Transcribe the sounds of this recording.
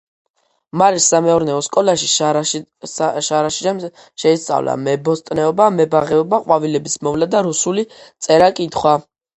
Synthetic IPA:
maɾisːamɛɔɾnɛɔskʼɔlaʃi | ʃaɾaʃi̥ | ʃɛist̪sʼa̰vla̰mɛbɔst̪ʼnɛɔbamɛbaʁɛɔbaqʼwavilɛbismɔvlad̪aɾusulit̪sʼɛɾakʼit̪ʰχwa

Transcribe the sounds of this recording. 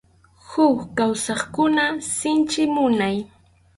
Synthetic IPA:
hʊkkawsɑχkʊnasɪnt͡ʃɪmʊnaj

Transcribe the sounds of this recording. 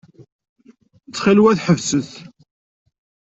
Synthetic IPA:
t͡sːχilwæθħəvsəθ

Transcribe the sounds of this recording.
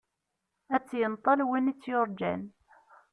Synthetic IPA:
æt͡sːjənt̪ˤːɑlwinit͡sːjʊɾˤd͡ʒæ̰n

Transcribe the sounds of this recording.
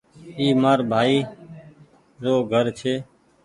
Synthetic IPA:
iːmaːɾbʱaːiː | zoːɡʱəɾt͡ʃʰeː

